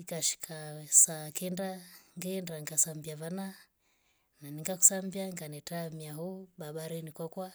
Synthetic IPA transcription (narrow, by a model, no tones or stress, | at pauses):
ikaʃi̥kʰasakɛndaŋɡɛndaŋɡasambiavana | naniŋɡaku̥sambiaŋɡanɛtamiaɦɔɓaɓaɾɛnikwakwa